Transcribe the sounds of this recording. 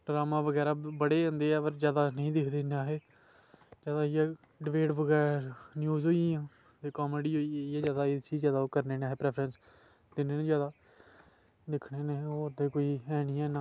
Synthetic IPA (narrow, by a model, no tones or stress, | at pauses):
ɖɾaːmãːʋəɡɛːɾaːbəɽeːə̃nd̪eːɛːpəɾd͡ʒjaːd̪aːnəĩːd̪ɪkʰd̪eːneaːɦeː | d͡ʒaːd̪aːɪjaː | ɖɪʋeːʈʋəɡɛːɾnjuːzɦoːiãː | t̪eːkɔːmeːɖiːɦoːiãːzjaːd̪aːɪt͡ʃʰiːd͡ʒjaːd̪aːoːkəɾneːneaːɦeːpɾɛːpʰɾəns | d̪ɪneːnẽːd͡ʒjaːd̪aː | d̪ɪkʰɽeːneːoːɾd̪eːkoːiːɛːnɪjãːnã